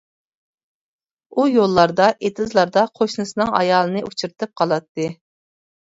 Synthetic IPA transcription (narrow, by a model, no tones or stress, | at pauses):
ujolˠːɑɾd̪ɑʔet̪ʰɨzlˠɑɾd̪ɑqʰoʃnɨsɨnɨŋɑ̰jɑːlˠɨnɨʔut͡ʃʰuɾɨt̪ʰɨp̚qʰɑlˠɑt̪ːɨ